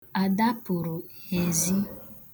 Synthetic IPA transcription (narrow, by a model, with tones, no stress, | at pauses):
a˨da˦pʊ˨ɾʊ˨he˨zi˦